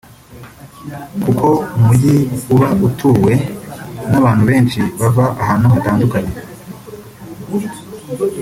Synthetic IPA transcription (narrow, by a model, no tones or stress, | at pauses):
kukʰo̞umuɟiuβautʰuːwe̞naβaːn̥huβe̞ːnʃiβavaʔaɦaːnohataːndukaɲe